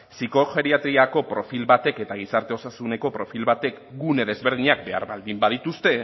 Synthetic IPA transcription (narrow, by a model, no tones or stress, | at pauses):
siko̞xe̞ɾiat̪ɾiako̞pɾo̞filβat̪e̞ke̞t̪aɣ̞isaɾt̪e̞o̞sasune̞ko̞pɾo̞filβat̪e̞k | ɡune̞ð̞e̞zβe̞ɾð̞iɲak̚be̞a̰ɾβald̪imbaðit̪ust̪e̞